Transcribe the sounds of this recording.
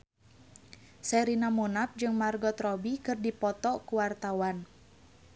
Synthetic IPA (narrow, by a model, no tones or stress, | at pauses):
sɛɾinamunap̚d͡ʒɨŋmarɡɔt̪rɔbikɨrdipɔt̪ɔkuwart̪awan